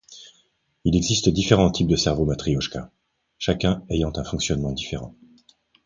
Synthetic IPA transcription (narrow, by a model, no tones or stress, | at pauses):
ilɛɡzist̪d̪ifeʁɑ̃t̪ʰip̚d̪əsɛʁvomat̪χiɔʃka̰ | ʃakʲɛ̃ejɑ̃t̪ɛ̃fɔ̃ksjɔnmɑ̃d̪ifeʁɑ̰̃